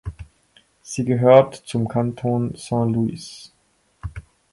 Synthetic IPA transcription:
z̥iːɡəɦøːɐtt͡sʊmkʰantʰoːnsɛ̃ːluḭs

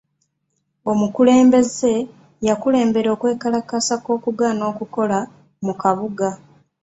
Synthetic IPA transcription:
o̞mukule̞ːmbe̞ze̞ | jakule̞ːmbe̞ɾo̞ːkwe̞ːkalakasako̞ːkuɡaːno̞ːkuko̞la | mukaβuɡa

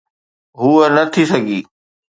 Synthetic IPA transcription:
ɦuːənɐt̪ʰisɐɡʱiː

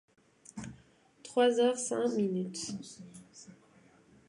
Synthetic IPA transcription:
t̪χwazœʁsɛ̃minyt̪

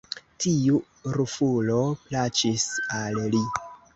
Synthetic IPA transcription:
tiu | ɾufulo̞plat͡ʃisalli

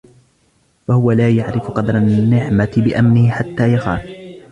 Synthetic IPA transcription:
fahʊwalaːjaʕɾɪfqɑd̪ɾˤanːɪʕmat̪ɪbɪʔamnɪhɪħat̪ːaːjaxaːf

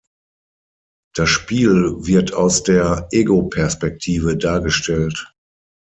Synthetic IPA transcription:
d̥asʃpiːlvɪɐtʰaʊsd̥eːɐʔeːɡopʰɛɐspɛk̚tʰiːvədaːɐɡəʃtɛlt

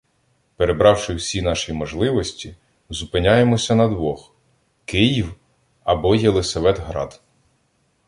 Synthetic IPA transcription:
peɾe̞bɾɑwʃɪwsʲinɑʃimɔʒlˠɪʋɔsʲtʲi | zʊpɪnʲajemɔsʲɐnɐd̪ʋɔx | kɪjiw | ɐbɔjelˠɪsɐʋɛd̪ɦɾɑ̰d̪̥

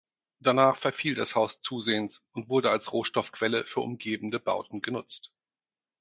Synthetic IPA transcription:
d̥anaːχfɛɐfiːldashaʊst͡suːzeːənsʔʊntv̥ʊɐdəalsʁoːʃtɔfkv̥ɛləfyːɐʔʊ̰mɡeːbm̩dəba̰ʊtn̩ɡənʊt͡st

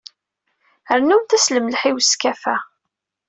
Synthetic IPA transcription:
əɾnumθæsləmlħiwskæfæ

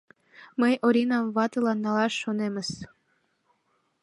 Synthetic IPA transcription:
məjoɾʲinɑmβɑt̪ɤlɑnːɑlɑʃːonemə̆s

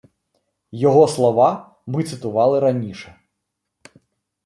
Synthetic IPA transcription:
jaɣɔslˠava | mɨt̪sɨt̪uvalˠɨɾanʲiʂɐ

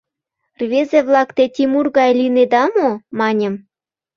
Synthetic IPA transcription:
rβʲezeβlˠɑkt̪et̪ʲimurɣɑjlined̪ɑmomɑnʲə̆m

